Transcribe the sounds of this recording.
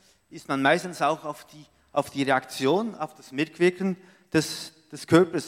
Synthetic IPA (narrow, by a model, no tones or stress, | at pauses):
ʔɪstmanmaɪstn̩saʊxaʊfd̥iː | ʔaʊfd̥iːʁeakt͡sjoːna̰ʊfd̥asmɪkʰv̥ɪkən̩ | d̥ɛsd̥ɛskʰœɐpəs